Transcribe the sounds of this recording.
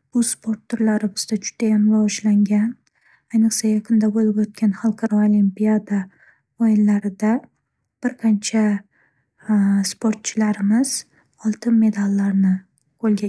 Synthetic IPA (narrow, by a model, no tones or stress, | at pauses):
ʊz̥spʰo̞ɾt̪ːʰʊɾlaɾɪbɪz̥d̪ad͡ʒʊd̪̥ajamɾavɒʃlaŋɡʲan | ajnɨqsajaqʰɨnd̪abolɪbot̪̚kʲanχɑlˠqʰɑɾɒolimpiad̪a | ojɪlːaɾɪd̪a | b̥ɪɾqʰɑnt͡ʃʰa | spʰoɾt̪̚t͡ʃʰɪlaɾɪmɪz̥ | ɒlˠt̪ʰɪnme̞d̪alːaɾnɪ | qʰolˠɡʲa